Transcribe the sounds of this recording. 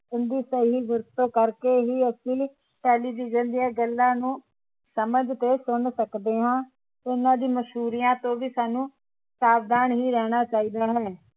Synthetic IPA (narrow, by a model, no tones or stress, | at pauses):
ʊnd̪iːsəɦiːʋʊɾt̪õːkəɾkeːɦiːəsiː | ʈɛːliːʋɪd͡ʒənd̪ɪjãːɡəlːãːnũː | səməd͡ʒt̪eːsʊnsəkd̪eːɦãː | ʊnãːd̪iːməʃɦuːɾijãːt̪õːʋiːsaːnũː | saːbd̪aːɳɦiːɾɛːɽ̃aːt͡ʃaːiːd̪aːɦɛː